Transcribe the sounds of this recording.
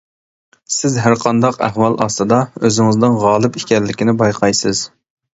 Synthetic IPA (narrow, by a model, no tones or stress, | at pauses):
sɪzɦæɾqʰɑnd̪ɑqæhwɑlˠɑ̰st̪ɨd̪ɑøzɪŋɪznɪnʁɑːlˠɨpikʲɛlːɪkʲinɪbɑjqʰɑjsɨz̥